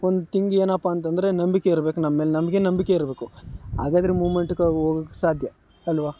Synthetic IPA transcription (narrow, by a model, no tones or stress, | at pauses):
ond̪ut̪iŋɡeːnɐpːaːnt̪ɐnd̪ɐɾe̞nɐmbikeiɾbe̞ːkunɐmːeːlenɐmɐɡenɐmbikeiɾbe̞ːkuɦa̰ːɡaːd̪ɐɾemuːʋme̞ɳʈukoɡoːɡɐkːe̥saːd̪ʱjɐ | ɐlʋaː